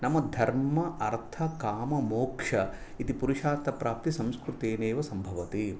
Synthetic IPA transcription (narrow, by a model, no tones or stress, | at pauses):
nɐmɐd̪ʱɐɾmɐʔɐɾt̪ʰɐkaːmɐmoːkʂɐ | it̪ipuɾiʃaːɾt̪ʰɐpɾaːp̚t̪isɐmskɾut̪eːneːʋɐsɐmbʱɐʋɐt̪i